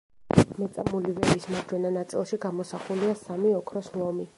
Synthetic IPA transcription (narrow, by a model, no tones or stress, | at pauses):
mɛt̪sʼamulivɛbismad͡ʒwɛnanat̪sʼḭlˠʃiɡamɔsaχuliasamiɔkʰɾɔsmlˠɔmi